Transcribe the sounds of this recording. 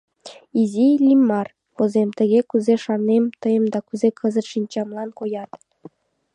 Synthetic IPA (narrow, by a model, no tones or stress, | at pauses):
izʲilʲimːɑr | pŏzemt̪ə̆ɡʲekuzeʃɑrnemt̪ɤ̆jə̆md̪ɑkyzekʰɤ̆zɤ̆t̪ʃinʲt͡ɕɑmlˠɑnkojɑt̪